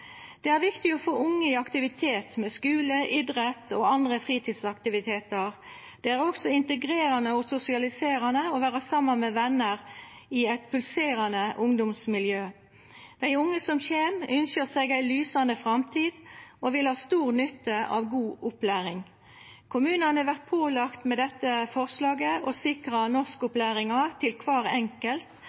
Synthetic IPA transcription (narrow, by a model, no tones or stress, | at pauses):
d̪̥ɛæʁʋɪkt̪ɪɔfoːʔʊŋːəɪɑkt̪ɪʋɪt̪ʰeːt̪mɛskʉːləʔɪd̪ʁɛt̪oːɑnd̪ʁəfʁiːt̪ʰiːd̪sɑkt̪ɪʋɪt̪ʰeːt̪əʁ | d̪̥ɛæʁɔksɔɪnt̪əɡʁeːɾɑnəɔsʊsɪɑlɪseːɾɑnəɔʋæːʁəsɑmːɑnmɛʋɛnːəʁɪɛɪt̪̚pʰʉlseːʁɑnəʔʊŋd̪ʊmsmɪljøː | d̪̥æɪʊŋːəsɔmçeːmʏnʃəʁsɛɡæɪlyːsɑnəfʁɑmt̪ʰiːd̪ɔʋɪlhɑːst̪uːʁnʏt̪ːəɑ̰ʋɡuːʔʊplæːʁɪŋ | kʰʊmʉːnɑnəəʋæʁt̪̚pʰoːlɑkt̪mɛd̪ɛt̪ːəfɔʁslɑːɡəɔsɪkʁɑnɔʁskʊplæːʁɪŋɑt̪ʰɪlkʰʋɑːʁɛŋkəlt̪